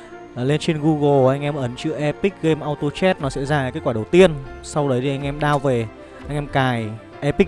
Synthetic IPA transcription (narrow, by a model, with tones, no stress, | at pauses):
le˧nt͡ɕe˧nɣu˧ɣo˨˩ʔa˧jŋ̟ʔɛ˧mʔə˨˦nt͡ɕɨ̰˧˥əʔɛ˧pi˦˥k̚ɣe˧mʔaː˧wt̪o˧t͡ɕɛ˦˥t̚nɔ˨˦sɛ̰˧˥zaː˧˨kaː˦˥kwaː˧˩ɗə˨˩wt̪i˧ənsa˧wɗə˨˦jtʰi˨˩ʔa˧ŋ̟ʔɛ˧mɗaː˧wve˨˩ | ʔa˧jŋ̟ʔɛ˧mkaː˨˩j | ʔɛ˧pï˦˥k̚